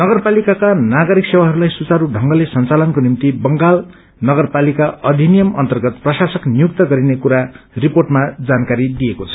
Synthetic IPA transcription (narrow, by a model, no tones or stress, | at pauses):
nʌɡʌrpalikakanaɡʌɾiksewaɦʌɾulajsut͡saɾuɖʱʌŋɡʌlesʌnt͡salʌnkonimt̪ibʌŋɡal | nʌɡʌrpalikaʌd̪ʱinijʌmʌ̰nt̪ʌrɡʌt̪̚prʌsasʌknijuk̚t̪ʌɡʌɾinekuɾa | riporʈmad͡zankaɾid̪ijekot͡sʰʌ̥